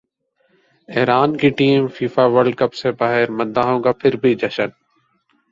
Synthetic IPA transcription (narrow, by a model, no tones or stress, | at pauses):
eɦɾaːnkiʈiːmfiːfaːʋəɾɖ̚kəpsebaːɦɪɾmə̃nd̪aːɦõːkapʰɪɾbʱid͡ʒəʃən